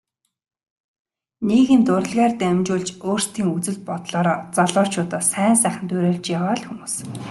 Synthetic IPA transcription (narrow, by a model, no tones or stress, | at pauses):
neːɣɘ̆nt̪ʊɾə̆ɮʁæːrt̪æmt͡ɕʊːɮt͡ɕoːr̥st̪ʰiːŋut͡sɘ̆ɮt̪̚pɔt̪ɮɔːɾt͡sɔɮɔ̥ːt͡ɕʰʊːt̪ɔːsæːnsæːχə̆nt̪ʊɾeːɮt͡ɕjaʁaːɮxumuːs